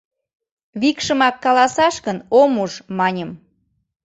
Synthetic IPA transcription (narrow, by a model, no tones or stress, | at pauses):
βikʃəmɑkːɑlɑsɑʃkənomuʒmɑnʲəm